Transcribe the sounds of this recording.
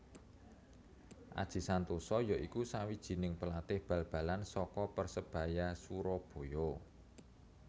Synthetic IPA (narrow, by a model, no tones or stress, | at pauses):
ʔa̰d̥ʒ̥i̤sant̪usɔjɔʔikusawid̥ʒ̥i̤nɪŋpəlat̪ɪhb̥ä̤lb̥ä̤lansɔkɔpərsəb̥a̤jasuɾɔb̥o̤jɔ